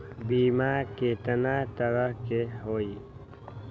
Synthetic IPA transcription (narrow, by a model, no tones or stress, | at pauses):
biːmakeːt̪ənat̪əɾəɦkeɦoːi